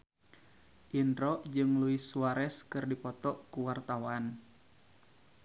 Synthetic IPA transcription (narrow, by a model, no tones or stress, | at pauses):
ʔindɾɔʔd͡ʒɨŋluisuaɾɛskɨrdipɔt̪ɔʔkuwart̪awan